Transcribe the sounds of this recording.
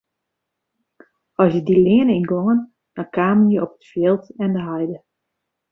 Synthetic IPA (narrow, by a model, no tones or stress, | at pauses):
ɔsjədilɪənəinɡoŋən | d̥ɔnkaːmənjəʔɔpə̥tfjɪlˠtɛndəɦɛjdə